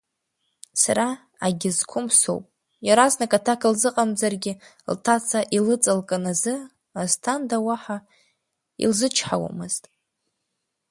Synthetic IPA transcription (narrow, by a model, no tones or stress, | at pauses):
saɾa | aɡʲɪzkʷʰʊmso̰wpʼ | jaɾaznakʼatʰakʰɨlzɨqʼamzarɡʲɪ | ltʰat͡sʰaʔilɨt͡sʼɨlkʼanazɨ | aztʰandawaħa | ḭlzɨt͡ʃʰħawa̰mɨz̥tʼ